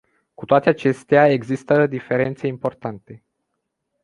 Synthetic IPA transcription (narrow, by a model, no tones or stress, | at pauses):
kut̪oat̪eat͡ʃe̞st̪eae̞ɡzist̪əd̪ife̞ɾe̞nt̪se̞impo̞rt̪ant̪e̞